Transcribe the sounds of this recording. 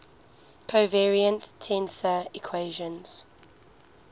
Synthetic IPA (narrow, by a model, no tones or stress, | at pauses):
kʰovɛɹiə̃ntʰːɛ̃nsəikʰweɪʒə̃nz̥